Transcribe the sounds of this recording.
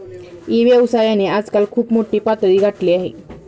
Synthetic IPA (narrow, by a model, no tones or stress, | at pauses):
iʋjəʋsaɾjanead͡zkalkʰuːpmoʈiːpat̪ɾiːɡʱaʈliːaɦḛ